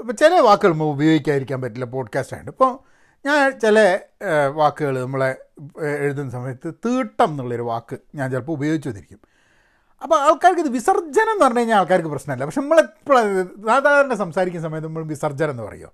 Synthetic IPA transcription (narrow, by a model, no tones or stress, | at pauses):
ipːoːt͡ɕelɐʋaːkːɨɣɐɭɐmːoubɐjo̞ːɡikʲːaːjiɾikʲːaːnpɐtːilːɐpo̞ːɖkaːsʈa̰jiɳɖɨipːoː | ɲaːnt͡ɕelɐʋaːkːɨɣɐɭnɐmːuɭeeɻuðenːɨsɐmɐjɐt̪ːɨt̪iːʈːɐmenːuɭːɐo̞ɾuʋa̰ːkːɨɲaːnt͡ɕelpɐubɐjo̞ːɡit͡ɕːuʋɐniɾikʲːum | ɐpːoɐɭkaːɾikːiðɨʋisɐrd͡ʑɐne̞nːɨpɐrɐɲːoːɲaːnɐɭkaːɾik̬ːɨprɐɕnɐmilːɐpɐkʂenɐmːɐɭepːoɭɐsaːd̪aːðɐɾɐɳɖesɐmsaːɾikʲːumsɐmɐjɐt̪ːnɐmːɐɭumʋisɐrd͡ʑɐnɐenːɨpɐ̰rɐ̰jːo̰ː